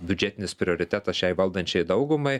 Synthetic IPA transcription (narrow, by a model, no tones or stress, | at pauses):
bʲʊd͡ʒʲæt̪ʲɪnʲɪspʲɾʲɪoːɾʲɪt̪ʲæt̪ɐsʃʲɛɪʋɐlˠd̪ɐnʲt͡ʃʲɛɪd̪ɐʊɡʊmɐɪ